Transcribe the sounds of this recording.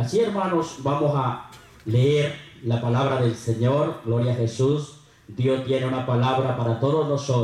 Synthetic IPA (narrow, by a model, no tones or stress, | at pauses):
asieɾmãnosbamosa | leeɾlapalaβ̞ɾaðelseɲoɾɡloɾjaxesus | d̪jost̪jeneunapalaβɾapaɾat̪oðoznoso